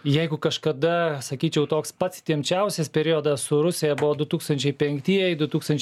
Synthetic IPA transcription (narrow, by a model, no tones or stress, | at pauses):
jɛɪɡʊkɐʃkɐd̪ɐsɐkʲiːt͡ʃʲɛʊt̪oːkspɐt̪st̪ʲiɛmʲt͡ʃʲɛʊsʲɛspʲɛɾʲioːd̪ɐssʊɾʊsʲɪjɛbʊʋod̪ʊt̪uːkst̪ɐnʲt͡ʃʲɛɪpʲɛŋkt̪ʲiɛjɛɪd̪ʊt̪uːkst̪ɐnʲt͡ʃʲ